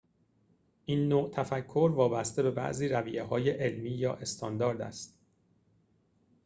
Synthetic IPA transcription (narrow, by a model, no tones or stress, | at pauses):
ʔiːnːoːt̪ʰæfækʰːo̞ɾvɒːbæst̪e̞be̞bæ̰ʔziːɾæviʔeɦɒːjeʔelmiːjɒːʔe̞st̪ʰɒːnd̪ɒːɾd̪æ̰st̪